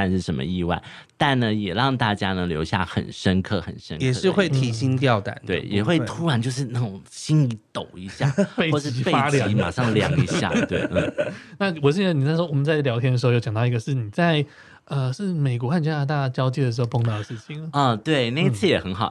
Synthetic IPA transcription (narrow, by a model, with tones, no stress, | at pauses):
a˥˧nʂɻ̩˥˩ʂə˧˥mə̰˧i˥˧wa˥˩ɪ | t̪a˥˩nnə˩jɛ˨˩ɻɑ˥˧ŋt̪a˥˩t͡ɕja˥nə˧˥ŋljo˧˥ʊɕja̰˥˩xə̰˨˩nʂə˥nkʰɤ˥˩xə˨˩nʂə˥ŋjɛ˨˩ʂɻ̩˥˧xwe˥˩ɪt̪ʰi˧˥ɕi˥nt̪jɑ˥˧˩ʊt̪a̰˨˩˦nt̪we˥˩ɪjɛ̰˨˩xwe˥˩ɪt̪ʰu˥ɻa˧˥nt͡ɕjo˥˧ʊʂ̬ɻ̩˥˧na˥˩ʈ͡ʂo˨˩ŋɕi˥ni˧˥t̪o˨˩ʊi˧˥ɕja˥˩fe˥˩ɪɔ˥˧ʂɻ̩˥i˧˥˧e˥a˥ljɑ˨˥i˧˥ma̰˨˩ʂɑ˥˧˩ŋ˧ljɑ̰˧˥ŋi˧˥ɕja̰˥˧˩t̪wḛ˥˩ɪn̩˥˩na˥˧wɔ˨˩ɕ̬ɛ˥˧n˥˩ni˨˩t͡sa˥˧ɪʂwɔ˥wɔ˨˩mə˦nt͡sa˥˩ɪljɑ˧˥ʊt̪ʰjɛ˥nə˩ʂ̩˧˥˧jɑ˨˩t̪i˧˥ɡə˧ʂɻ̩˥˩ni˨˩t͡sa˥˧ɪ | ə˧ʂɻ̩˥˩me˨˩ɪk̬wɔ˧˦xa˥˧nt͡ɕja˥na˥˩t̪a˥˩t͡ɕjɑ˥ʊt͡ɕi˥˩d̪ə˩ʂɻ̩˧˥o˥˧pʰo˥˧ŋt̪ɑ˥˩d̪ə˩ʂɻ̩˥˩t͡ɕʰi˨˩˦ə˦ɔ˧t̪we˥˩ɪne˥˩ɪ˥˩t͡sʰɹ̩˥˩jɛ˨˩xə˧˥nxɑ˨˩ʊ